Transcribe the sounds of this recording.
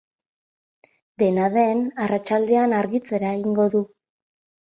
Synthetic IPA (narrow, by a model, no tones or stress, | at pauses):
d̪e̞naðe̞narat͡ʃald̪e̞anaɾɣit͡se̞ɾaeɣiŋɡo̞ðu